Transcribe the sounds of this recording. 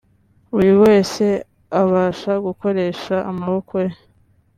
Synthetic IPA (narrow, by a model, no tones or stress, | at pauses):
uɾiwe̞ːse̞ | aβaːʃaɡuko̞ɾe̞ːʃa̰ːmaβokoje